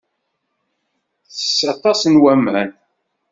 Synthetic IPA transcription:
θə̥sːɑt̪ˤːɑsnwæmæn

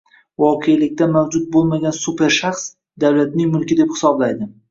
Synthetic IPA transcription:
vɒqʰejlɪk̚ʲt̪amawd͡ʒʊt̪̚bolˠmaɡʲansupe̞ɾʃaχs | d̪awlat̪nɪŋmʊlˠkʲɪd̪e̞phɪ̥sɒblajd̪ɪ

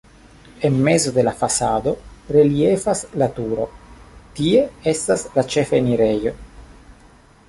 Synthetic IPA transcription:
enmezo̞d̪e̞lafasad̪o̞ɾeliefaslat̪uɾo̰t̪ie̞est̪aslat͡ʃefeniɾejo

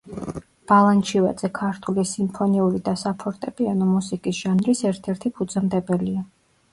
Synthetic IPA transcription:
b̥alˠant͡ʃʰivad̪zɛkʰaɾt̪ʰulisimpʰɔniulid̪asapʰɔɾt̪ʼɛpʼianɔmusikʼisʒ̥anɾisɛɾt̪ʰɛɾt̪ʰipʰud̪zamd̪ɛbɛlia

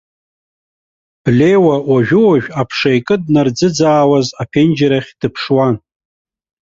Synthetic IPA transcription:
b̥lʲe̞jwawaʒᶣʊwaʒᶣapʰʂajkʼɨd̚nard͡zɨd͡zaːwazapʰend͡ʒaɾaχʲd̥ɨpʰʂwan

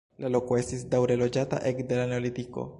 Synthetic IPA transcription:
lalo̞koe̞st̪isdawɾelod͡ʒata̰ʔekd̪e̞laneolit̪iko̞̰

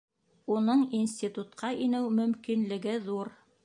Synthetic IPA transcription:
unɤɴinsʲtʲit̪ut̪qɑʔinɘwmɵ̆mkinlɘ̆ɡɘðuɾ

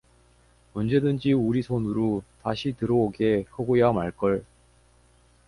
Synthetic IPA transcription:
mʌnd͡ʑe̞dɯnd͡ʑiuɾisʰonɯɾotaɕʰitɯɾʌoɡe̞hʌɡojamaɭk͈ʌɭ

